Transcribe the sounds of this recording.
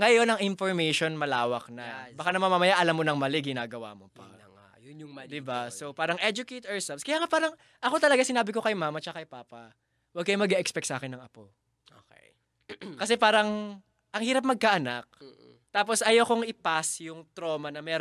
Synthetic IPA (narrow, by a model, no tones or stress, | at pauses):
ŋɐjo̞nɐŋʔɪnfoɹmɛjʃo̞nmɐlaːwɐk̚nɐbɐkanɐmɐmamɐjaʔɐlamːonɐŋmɐlɪɡɪnaːɡɐwa̰ːmopɐ̰ | d̪ɪbasopaːɾɐŋʔɛd͡ʒʊket̪ɛɹsɛpskɐjaːŋapaːɾɐŋ | ʔɐko̞t̪ɐlɐɡasɪnaːbɪko̞kɐjmaːmɐt͡ʃɐɐkɐjpaːpɐ | wɐɡ̚kɐjʊŋmɐɡɛʔɛkspɛk̚t̪saːkɪnːɐŋɐpo̞ | oke | kɐsɛpaːɾɐŋ | ʔɐŋhiːɾɐp̬̚mɐɡ̚kaʔɐnak̚ | t̪aːp̬o̞sɐjowkoŋʔɪpasjʊŋt̪ɾo̞ːmɐnɐmɛːɾ